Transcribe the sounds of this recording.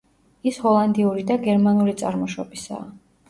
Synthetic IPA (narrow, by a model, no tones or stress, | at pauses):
ishɔlˠand̪iuɾid̪aɡɛɾmanuɾit̪sʼa̰ɾmɔʃɔbisa̰ː